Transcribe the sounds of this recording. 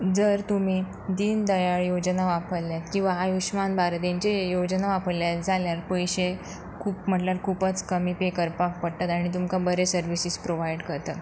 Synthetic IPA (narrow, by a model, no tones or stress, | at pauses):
d͡zəɾt̪um̤i | d̪iːnd̪əjaɭjod͡ʑnaʋapəɽljat̪kĩw̃ʋaɦajuɕmanbaɾt̪ẽɲt͡ɕejod͡ʑnaʋapəɾljad͡zʱaljaɾpəjɕe | kʰuːpm̤əʈlaɾkʰupət͡skəmipekəɾpakpəɽt̪at̪aɽ̃it̪̬umkabəɾesəɾʋisispɾoʋajɖkəɾt̪ə